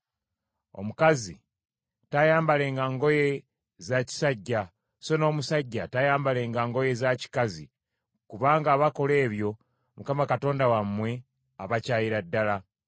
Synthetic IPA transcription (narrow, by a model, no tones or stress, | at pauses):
o̞̰mukazi | tajaːmbale̞ːŋɡaŋɡo̞je̞ | zaci̥saɟːa | so̞no̞ːmusaɟːatajaːmbale̞ːŋɡaːŋɡo̞je̞zaci̥kazi | kuβaːŋɡaːβako̞le̞ːβjo̞ | mukamakato̞ːndawamːwe̞ | aβacaːjiɾadːala